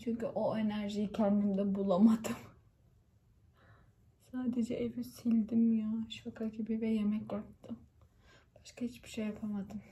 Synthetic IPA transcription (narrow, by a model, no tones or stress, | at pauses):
t͡ʃʰyɲcyʔoenæɾʒijicʰɛnd̪imd̪ɛbulˠamad̪ɯm | saːd̪ed͡ʒɛʔevisilʲd̪imjaʃfakʰacʰibebɛjemɛcjap̚t̪ʰɯm | b̥aʃkʰahit͡ʃbiʃejːapʰamad̪ɯm